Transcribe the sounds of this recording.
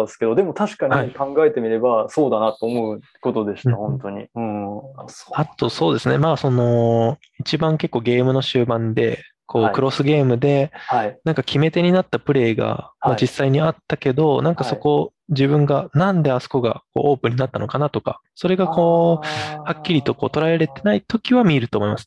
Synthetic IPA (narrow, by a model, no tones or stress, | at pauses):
sɨ̥ke̞d̪o̞d̪e̞mo̞t̪aɕi̥kaɲʲhaikãŋɡae̞t̪e̞mʲiɾe̞baso̞ːd̪anat̪ːo̞ːmo̞ɯ̟ | kot̪o̞d̪e̞ɕi̥ahõnt̪o̞ɲ̟ḭ | at̪o̞so̞ːd̪e̞sɨne̞maːso̞no̞ | it͡ɕibãŋke̞kːo̞ːɡe̞ːmɯ̟no̞ɕɨːbãnd̪e̞̰ | kʰo̞ːkɯ̟ɾo̞sɨɡe̞ːmɯ̟d̪e̞ainãŋkakʲʰime̞t̪e̞ɲ̟inat̪ːapɯ̟ɾe̞ːɡa̰mad͡ʑisːaiɲ̟iat̪ːake̞d̪o̞nãŋkaso̞ko̞d͡ʑiβɯ̟̃ŋɡanãnd̪e̞asɨ̥koɡa̰ko̞̰ːʔoːpɯ̟ɲ̟inat̪ːano̞kanat̪o̞ka̰ | so̞ɾe̞ɡako̞ːhakʲːiɾʲit̪o̞ko̞ːt̪o̞ɾaeɾɾe̞t̪e̞nait̪o̞kʲiβamʲieɾɯ̟t̪o̞ːmo̞imasɨ̥